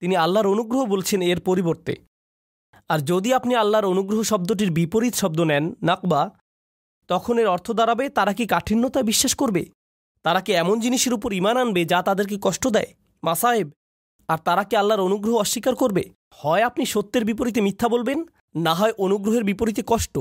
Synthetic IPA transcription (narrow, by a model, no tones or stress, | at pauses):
t̪inialːaɾonuɡɾoɦobolt͡ɕʰeneɾpoɾiboɾt̪ḛ | aɾd͡ʑod̪iapnialːaɾonuɡɾoɦoʃɔb̚d̪oʈ̬iɾbipoɾit̪ʃɔb̚d̪onɛnːaqba | t̪ɔkʰoneɾɔɾt̪ʰod̪aɾabet̪aɾakikaʈʰinːot̪aebiʃːaʃkoɾbe | t̪aɾakeɛmond͡ʑiniʃeɾup̬oɾimananbed͡ʑat̪ad̪eɾk̬ekɔʃʈod̪ɛe | masaeb̚ | aɾt̪aɾakealːaɾonuɡɾoɦoɔʃːikaɾkoɾbe | hɔeapniʃot̪ːeɾbip̬oɾit̪̬emit̪ʰːabolbenː | aɦɔeʔonuɡɾoɦeɾbipoɾit̪ekɔʃʈo